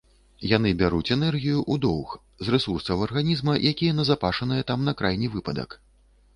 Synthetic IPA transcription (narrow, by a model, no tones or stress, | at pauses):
janɨbʲaɾut͡sʲɛnɛrɣʲijuʔud̪ɔwx | zrɛsursɐwɐrɣanʲizmɐjʔakʲijɛnɐzapaʂɐnɨjɛt̪amnɐkɾajnʲivɨpɐd̪ɐ̰k